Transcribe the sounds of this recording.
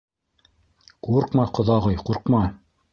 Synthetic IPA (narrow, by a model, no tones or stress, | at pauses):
quɾqmɑqŏðɑʁɤjquɾqmɑ